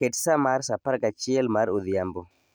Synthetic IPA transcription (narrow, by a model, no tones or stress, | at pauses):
eʈsamaɾsapaɾkat͡ʃielmaɾuðijambo